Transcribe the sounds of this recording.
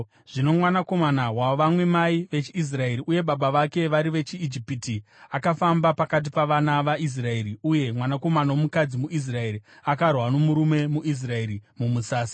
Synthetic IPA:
ʐ̥ino̞mwanako̞manawaoʋamwe̞maiʋe̞t͡ʃiis̬rae̞ɾiʔuje̞ɓaɓaʋake̞ʋaɾiʋe̞t͡ʃiːd͡ʒipitiakafambapakat̬ipaʋanaʋais̬rae̞ɾiuje̞mwanako̞manawomukad͡zimuʔis̬rae̞ɾiakarwano̞muɾume̞muʔis̬rae̞ɾimumusaːsi̥

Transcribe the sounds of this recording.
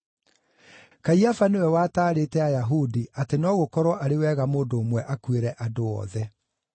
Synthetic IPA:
kaiafanewɛwaːtaːɾetɛajaɦudiatenɔːɣokɔɾwɔʔaɾewɛːɣamoːdoːmwɛʔakweɾɛʔadoɔ̰ðɛ

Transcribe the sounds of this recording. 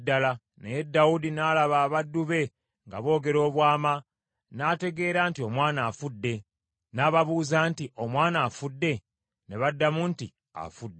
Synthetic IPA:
dːala | nejedːaudinalaβaːβadːuβe̞ | ŋɡa̰βo̞ːɡe̞ɾo̞ːβwaːma | nate̞ɡe̞ːɾaːntio̞mwaːnaːfudːe̞ | naːβaβuːzaːntiʔo̞mwaːnaːfudːe̞ | ne̞βadːamunti | a̰fudːe

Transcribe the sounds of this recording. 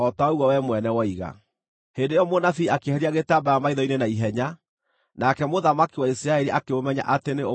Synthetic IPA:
ɔtaɔwɔwɛmwɛnɛwɔiɣa̰ | hendejɔmonaθiːakehɛɾiaɣetaːbajamaiðɔinenaiɦɛɲa | nakɛmoðamakiwaisiɾaɛɾiʔakeomɛɲa̰ʔateneo

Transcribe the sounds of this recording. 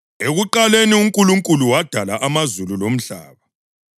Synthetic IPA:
eɣuǃaleniuŋkʼuluŋkʼuluwad̥ʱalaʔamazululom̩ɬa̰ːβa

